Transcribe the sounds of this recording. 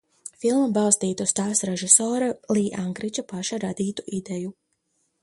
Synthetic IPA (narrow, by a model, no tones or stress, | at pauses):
filˠmɐbalˠst̪iːt̪ust̪aːsɾɛʒisɔːɾalˠiːʔaŋkɾit͡ʃapaʃaɾad̪iːt̪uʔid̪ɛju